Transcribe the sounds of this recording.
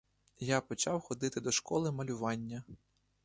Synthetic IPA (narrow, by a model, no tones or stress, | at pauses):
japɔt͡ʃɑwxɔd̪ɪt̪ɪd̪ɔʃkɔlˠɪmɐlʲʊʋɑnʲːɐ